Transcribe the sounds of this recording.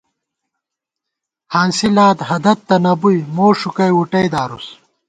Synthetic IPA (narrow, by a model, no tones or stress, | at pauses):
haːnsilaːd̪hɐd̪ɐt̪ːɐnɐbujmoːʂukɐjuʈɐjd̪aːɾus